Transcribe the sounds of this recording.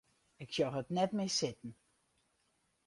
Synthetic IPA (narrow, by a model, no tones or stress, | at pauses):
ɪksjɔwɦətnɛtmɪsɪtn̩